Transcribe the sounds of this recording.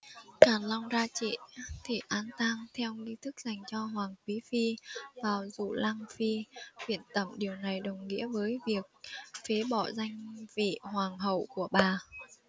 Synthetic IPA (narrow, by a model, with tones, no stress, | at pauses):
kaː˨˩nla˧wŋ͡mzaː˧t͡ɕḭ˧˨t̪ʰi˨˩ʔaː˧nt̪aː˧ŋt̪ʰɛ˧wŋi˧t̪ʰɨ˦˥k̚za˨˩jŋ̟t͡ɕɔ˧ɦwaː˨˩ŋkwi˨˦fi˧vaː˨˩wzṵ˧˨laː˧ŋfi˧kwḭ˧˩˨ənt̪ə˧˩mɗi˨˩əwna˨˩jɗə˨˩wŋ͡mŋḭ˧˥əvəː˨˦jvi˨˩ək̚fe˨˦ɓɔ˧˩za˧jŋ̟vḭ˧˨hwaː˨˩ŋɦə˧˨wku˧˩əɓaː˨˩